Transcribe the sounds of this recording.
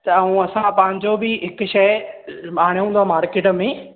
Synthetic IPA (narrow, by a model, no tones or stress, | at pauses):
t̪ɐɐũɐsãpɐ̃ɦɪ̃ɲd͡ʑobɪɦɪkʊʃɐmaːɽ̃eɦũːnd̪amaːɾkeːʈmẽː